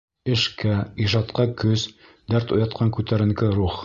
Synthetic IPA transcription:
ɘ̆ʃkæiʒɑt̪qɑkɵz | d̪æɾt̪ujɑt̪̚qʰɑŋkʉt̪æɾɘ̆ŋkɘɾuχ

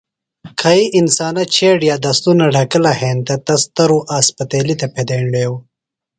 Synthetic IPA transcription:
kʰɐiʔɪnsaːnɐt͡ʃʰeːɖjaːd̪ɐst̪unɐɖɐkɐlɐheːnt̪ɐt̪ɐst̪ɐɾuʔaːspɐt̪eːlit̪ɐpʰed̪eːɳɖeːw

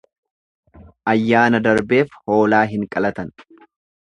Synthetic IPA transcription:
ʔɐjːaːnɐd̪ɐɾbe̞ːfho̞ːlaːɦɪŋkʼɐlɐt̪ɐn

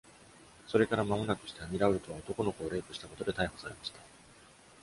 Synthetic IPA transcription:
so̞ɾe̞kaɾamamo̞nakɯ̟ɕi̥t̪eamʲiɾaɯɾɯ̟t̪o̞βaot̪o̞ko̞no̞ko̞ːɾe̞ːpɯ̟ɕi̥t̪ako̞t̪o̞d̪e̞t̪aiho̞̥saɾe̞maɕi̥t̪a

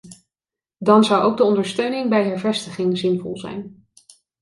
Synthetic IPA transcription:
dɑnzʌwʔowɡ̚dəɔndəɹstøɥnɪŋbɛjɦɛɹvɛstəχɪŋzɪnvɔ̰lˠzɛ̰jn

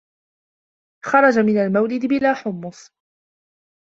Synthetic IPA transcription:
xɑɾˤɑd͡ʒamɪnalmawlɪd̪bɪlaːħʊmːʊsˤ

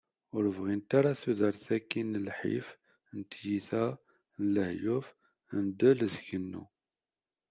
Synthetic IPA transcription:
ʊɾəvʁint̪aɾaθuðəɾθækːinəlħḭf | nt̪jiθæ | nləhjʊf | ənd̪əlzʝənːṵ

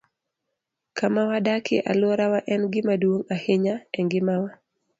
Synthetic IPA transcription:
kamawadakɪ̰ʔalʊɔɾawaʔɛnɡɪmadwoŋahɪɲaɛŋɡɪmawa

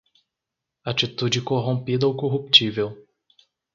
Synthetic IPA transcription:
at͡ʃit̪ud͡ʒɪkoɦõpid̪ɐawkoɦupt͡ʃivew

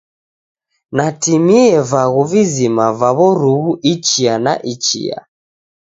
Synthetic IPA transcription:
natimiɛvaɣuvizimavaβɔɾuɣuʔit͡ʃiana̰ʔit͡ʃḭa̰

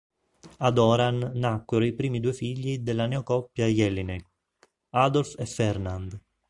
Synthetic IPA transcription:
ad̪ɔːɾanːakːweɾoipɾiːmid̪uːefiʎːid̪elːanɛokɔpːjajɛlːine | ad̪ɔlfɛfːɛrnand̪

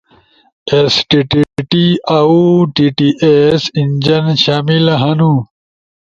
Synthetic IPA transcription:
esʈiʈiʈiauʈiʈiʔesind͡ʑɐnɕaːmilɐɦɐnu

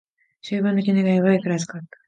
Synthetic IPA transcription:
ɕɨːbɯ̃nokʲineɡaoβaikɯɾasɨ̥kat̪ːḁ

